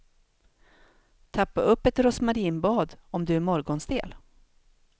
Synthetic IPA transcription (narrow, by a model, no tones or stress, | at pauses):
t̪ʰapːaɵpːɛt̪ɾɔsmaɾiːnbɑːd̪ɔmd̪ɵæɾmɔɾɡɔnsd̪ḛːl